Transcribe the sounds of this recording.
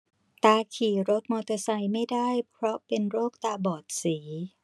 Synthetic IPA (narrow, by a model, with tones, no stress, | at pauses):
t̪aː˧kʰiː˨˩ɾo˦˥t̪̚mɔː˧t̪ɤ˧sa˧jma˥˩jdaː˥˩jpʰɾɔ˦˥pe˧nɾoː˥˩k̚t̪aː˧bɔː˨˩t̪̚siː˩˦